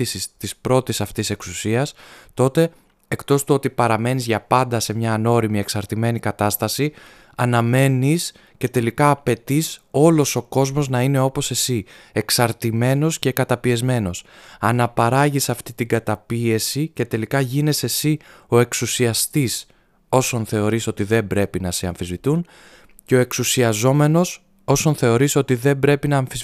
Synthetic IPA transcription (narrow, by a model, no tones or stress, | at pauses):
isist̪ispɾo̞t̪isɐft̪ise̞ksusiɐst̪o̞t̪e̞ | ekt̪o̞st̪uo̞t̪ipɐɾɐme̞nizʝɐpɐnd̪ɐse̞mɲɐːno̞ɾimie̞ksɐɾt̪ime̞nikɐt̪ɐst̪ɐsi | ɐnɐme̞nis | ce̞t̪e̞likɐːpe̞t̪iso̞lo̞so̞ko̞zmo̞znɐine̞o̞po̞se̞sie̞ksɐɾt̪ime̞no̞sce̞kɐt̪ɐpie̞zme̞no̞sɐnɐpɐɾɐʝisɐft̪it̪iɡɐt̪ɐpie̞sice̞t̪e̞likɐʝine̞se̞sio̞e̞ksusiɐst̪is | o̞so̞nθe̞o̞ɾiso̞t̪iðe̞mbɾe̞pinɐseɐɱfizvit̪un | ceo̞e̞ksusiɐzo̞me̞no̞s | o̞so̞nθe̞o̞ɾisot̪iðe̞mbɾe̞pinɐːɱfiz